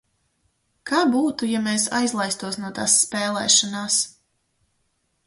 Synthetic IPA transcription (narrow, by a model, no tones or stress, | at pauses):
kaːbuːt̪ujameːsa̰jzlˠajst̪uɔsnuɔt̪a̰ːsːpɛːlˠɛ̰ːʃɔnaːs